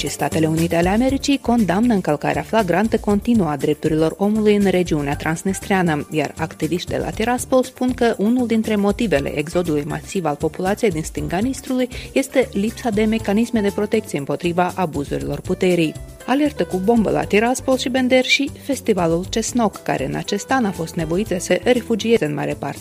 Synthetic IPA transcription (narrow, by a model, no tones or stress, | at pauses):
ʃist̪at̪e̞le̞unit̪eale̞ame̞ɾit͡ʃijko̞nd̪amnəɨŋkəlka̰ɾeaflaɡɾant̪əko̞nt̪inuad̪ɾe̞p̚t̪uɾilo̞ro̞mulujɨnre̞d͡ʒiuneat̪ɾʔansnist̪ɾianəja̰rakt̪iviʃt̪d̪elʔa̰t̪iɾaspo̞lspunkəʔunuld̪int̪ɾe̞mo̞t̪ive̞le̞̰ʔeɡzo̞d̪ulujma̰sivalpo̞pulat̪sijejd̪inst̪ɨŋɡanist̪ɾulujje̞st̪e̞lipsad̪e̞me̞kanisme̞d̪e̞pɾo̞t̪e̞k̚t̪sije̞ɨmpo̞t̪ɾivaʔabuzṵɾilo̞rput̪e̞ɾij | ale̞rt̪əkubo̞mbə̰la̰t̪iɾaspo̞lʃibe̞nd̪e̞rʃife̞st̪ivalult͡ʃe̞sno̞kːa̰ɾe̞̰ɨ̰na̰t͡ʃe̞st̪anafo̞st̪ne̞vo̞it̪səʔre̞fud͡ʒie̞zeɨnma̰ɾepa̰rt̪e